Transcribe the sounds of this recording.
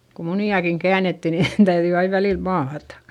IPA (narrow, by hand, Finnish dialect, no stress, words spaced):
ku muniɑkiŋ kæːnetːi ni tæyðyi ɑiʋ ʋæliˑl mɑːtɑ̥